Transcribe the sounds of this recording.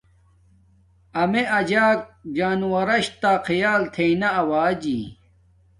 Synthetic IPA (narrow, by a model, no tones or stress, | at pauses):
ɐmeɐd͡ʑaːk̚d͡ʑaːnuwɐɾɐɕt̪aːqʰijaːlt̪ʰeinɐɐwaːd͡ʑḭː